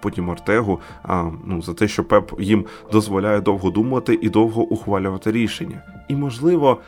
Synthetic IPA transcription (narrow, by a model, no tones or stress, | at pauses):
pɔtʲimɐrt̪ɛɦʊ | nuzɐt̪ɛʃt͡ʃɔpɛpjim | d̪ɔzʋɔlʲajɛd̪ɔwɦɔd̪umɐt̪ɪʔid̪ɔwɦɔʔʊxʋɑlʲʊʋɐt̪ɪɾʲiʃenʲːɐimɔʒlˠɪʋɔ